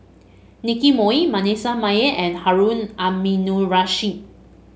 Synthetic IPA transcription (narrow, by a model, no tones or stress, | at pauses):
nikimɔimanesamajəʔɛ̃nhaɹũnaminuɹaʃĩ